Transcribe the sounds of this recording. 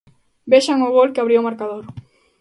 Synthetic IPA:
beʃaŋʊɣolkɪaβɾiʊmaɾkaðoɾ

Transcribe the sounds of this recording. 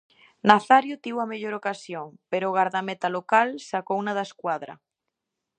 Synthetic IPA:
naθaɾjʊt̪iwɐmeʎoɾokasjoŋpeɾoːɣaɾðamet̪alokalsakownaðaskwaðɾɐ̰

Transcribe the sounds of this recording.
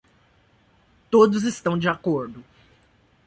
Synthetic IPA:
t̪od̪ʊzɪst̪ɐ̃w̃d͡ʒɪakoɾd̪ʊ

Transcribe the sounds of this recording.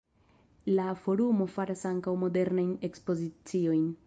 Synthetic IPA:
lafo̞ɾumo̞faɾasaŋkawmo̞de̞ɾnajne̞kspo̞zit͡sio̞jn

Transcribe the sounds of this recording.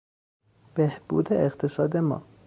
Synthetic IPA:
b̥ehb̥ṵːd̪eeqt̪ʰesɒːd̪emɒ̰ː

